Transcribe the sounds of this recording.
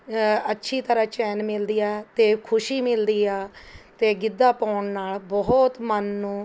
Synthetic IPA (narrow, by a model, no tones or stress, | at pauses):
ətːʃʰiːt̪əɾãːt͡ʃɛːnmɪld̪iːɛːt̪eːkʰʊʃiːmɪld̪iːaːt̪eːɡɪd̪ːaːpaːʊɳnaːlbɔɦt̪mənːũː